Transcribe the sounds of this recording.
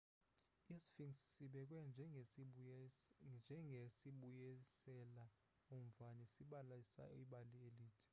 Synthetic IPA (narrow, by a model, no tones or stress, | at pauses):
isi̥fiŋssiɓɛk̬ʼwɛnd͡ʒʱɛ | nd͡ʒʱɛŋɡʱesiɓujɛsɛla | umvanisiɓalasa̰iɓalieliːtʰɛ̥